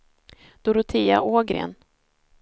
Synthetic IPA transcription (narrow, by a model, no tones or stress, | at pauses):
d̪̥ʊɾʊt̪ʰiːa̰ʔoːɡɾḛːn